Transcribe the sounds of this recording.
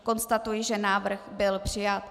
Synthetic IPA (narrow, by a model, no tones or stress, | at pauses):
ko̞nst̪at̪ujɪʒɛnaːvr̩xbɪlpr̝̥ɪjat̪